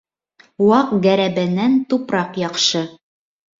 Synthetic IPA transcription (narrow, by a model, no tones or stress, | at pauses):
wɑqɡæɾæbænːænt̪upɾɑqjɑqʃɤ